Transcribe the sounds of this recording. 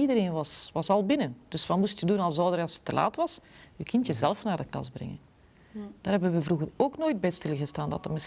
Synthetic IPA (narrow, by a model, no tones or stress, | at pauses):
idəɾeːnʋɑsʋɑsɑlˠbɪnənd̥ɵsʋɑtmustjədunɑlˠzɔːdəɾɑlˠsə̥tːəlʔa̰ːtʋɑsykɪntjəzɛlˠəfnaːrdəklɑ̰zbrɛ̰ŋə̰n | d̥aːɾɦɛbənʋəvruɣəroːknoːjd̚bɛjtstɪlˠəɣəstaːndɑ̰təmɪs